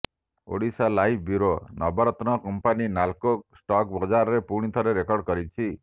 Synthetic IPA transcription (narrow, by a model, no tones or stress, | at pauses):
o̰ɽisalajʰbuɾonɔbɔɾɔt̪nɔkɔmpaninalkoksʈɔk̚bɔd͡ʒaɾɔɾepuɽ̃it̪ʰɔɾeɾekɔɾɽkɔɾit͡ʃʰi